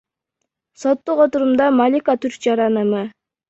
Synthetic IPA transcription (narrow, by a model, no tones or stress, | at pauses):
sot̪ːuqot̪uɾumd̪ɑmalʲikat̪ʰyɾk̚d͡ʒɑɾɑnɯmɯ